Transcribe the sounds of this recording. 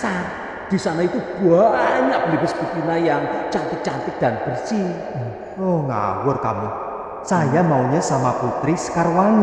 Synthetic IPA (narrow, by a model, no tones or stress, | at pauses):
sar | d̪̥i̤sanait̪ub̥uaʔaɲaʔblebɪsb̥ut̪inajaŋt͡ʃant̪ɪk̚t͡ʃant̪ɪk̚d̪̥a̤nb̥ərsi | ɔŋa̰wʊrkamu | sajamauɲasamaput̪ɾiskarwaŋ